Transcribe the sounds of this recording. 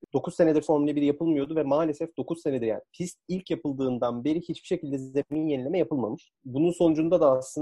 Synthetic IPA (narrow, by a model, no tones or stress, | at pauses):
d̪̥o̞kʰuzse̞ned̪ʲiɾfoɾmilʲebiɾijapʰɯlˠmɯjo̞d̪uvɛmaːlʲe̞sɛfd̪o̞kʰuzsse̞ned̪iɾja̰ːnipʰist̪ilʲcjapɯlˠd̪ɯːnd̪anbe̞ɾihit͡ʃbi̥ʃe̞cilʲd̪ɛzeminje̞nilʲemɛjapɯlˠmamɯʃ | bununso̞nud͡ʒund̪ad̪aːslˠɯ